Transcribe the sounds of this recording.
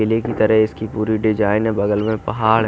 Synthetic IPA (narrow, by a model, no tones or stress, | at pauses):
ɪlekit̪ɐɾəɦɪskipuːɾiɖɪd͡ʒaːɪnɦɛ̃bɐɡəlmẽpɐɦaːɽɦ